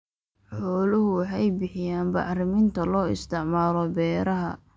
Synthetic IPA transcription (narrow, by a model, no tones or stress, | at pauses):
ħɔːlʊɦʊwɑħɑjbɪħɪjaːnbɑʕɾɪmɪnt̪ʰɐlɔːɪ̰st̪ʰɪʕmaːlɔbɛːɾɐɦɐ